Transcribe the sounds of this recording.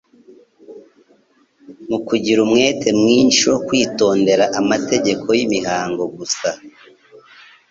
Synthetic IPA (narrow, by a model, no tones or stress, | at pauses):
mukuɟiɾumŋe̞ːtʰe̞mŋiːnʃo̞kwiːto̞ːnde̞ɾaʔamate̞ɟe̞kʰo̞jimihaːŋɡo̞ɡusa